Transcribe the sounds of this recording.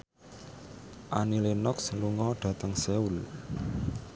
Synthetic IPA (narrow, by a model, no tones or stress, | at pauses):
ʔanilenɔksluŋɔɖ̥ä̤t̪əŋseul